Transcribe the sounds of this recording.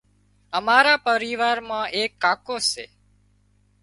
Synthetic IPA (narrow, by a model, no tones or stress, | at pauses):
əmaːɾaːpəɾiːʋaːɾmãːʔeːkːaːkoːsḛː